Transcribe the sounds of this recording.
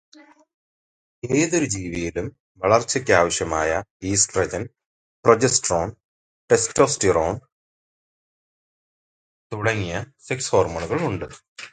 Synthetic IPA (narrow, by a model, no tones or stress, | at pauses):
eːðoɾud͡ʑiːʋijilum | ʋɐɭɐrt͡ɕːɐkʲːaːʋɐɕjɐmaːjɐiːskrɐd͡ʑɐn | prod͡ʑesʈroːn | pesto̞ːsʈiroːn | t̪uɽɐŋːijɐ | siksho̞ːrmɐɳuɣɐɭuɳɖɨ